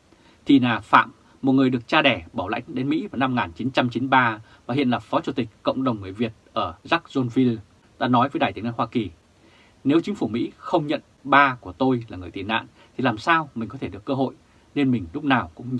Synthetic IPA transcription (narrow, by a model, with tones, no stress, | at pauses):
t̪ʰi˨˩naː˨˩fa̰ː˧˨mː | o˨˩ŋɨ˨˩əjɗɨ˨˩ək̚t͡ɕaː˧ɗɛ˧˩ɓaː˧˩wla̰˧˥jŋ̟ɗe˨˦nmḭ˧˥vaː˨˩na˧mŋaː˨˩nt͡ɕi˨˦nt͡ɕa˧mt͡ɕi˨˦nɓaː˧ | vaː˨˩ɦḭ˧˨ənlaː˨˩fɔ˨˦t͡ɕu˧˩t̪ï˨˩k̟̚kə̰˧˨wŋ͡mɗə˨˩wŋ͡mŋɨ˨˩əjvi˨˩ət̚ʔəː˧˩za˦˥k̚zo˧nvi˧l | t̪a̰ː˧nɔ˨˦jvəː˨˦jɗaː˨˩j̪na̰˧˨hwaː˧ki˨˩ | ne˨˦wt͡ɕï˨˦ŋ̟fu˧˩mḭ˧˥xə˧wŋ͡mɲə̰˧˨n | ɓaː˧ku˧˩ət̪o˧jlaː˨˩ŋɨ˨˩əjt̪i˨˩na̰ː˧˨n | t̪ʰi˨˩laː˨˩msaː˧wmï˨˩ŋ̟kɔ˨˦t̪ʰe˧˨ɨ˨˩əkːəː˧ɦo̰˧˨j | ne˧nmï˨˩ŋ̟lʊ˦˥k͡p̚naː˨˩wkʊ̰˧˥ŋ͡m